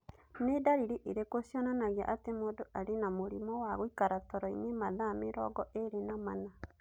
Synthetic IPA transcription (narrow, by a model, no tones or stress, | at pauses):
nedaɾiɾiʔeɾekosjɔnanaɣea̰ʔatemodoʔaɾenamoɾimɔwaɣoikaɾatɔɾɔḭnemaðameɾɔ̰ɡɔʔeɾenamana